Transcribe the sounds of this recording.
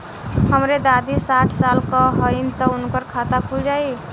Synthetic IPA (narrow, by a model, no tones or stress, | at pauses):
həmɾed̪ad̪isaʈʰsalkəɦəjnt̪əunkəɾkʰat̪akʰuld͡ʒai